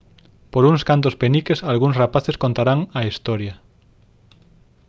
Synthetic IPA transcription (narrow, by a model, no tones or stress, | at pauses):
poɾuŋskant̪̬ospenikesalɣuŋsrapaθeskõnt̪aɾaŋɐist̪ɔɾja